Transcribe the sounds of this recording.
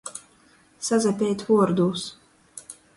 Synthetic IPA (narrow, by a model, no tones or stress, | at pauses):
sazʲɛpʲɛːt̪vuɔɾd̪uːs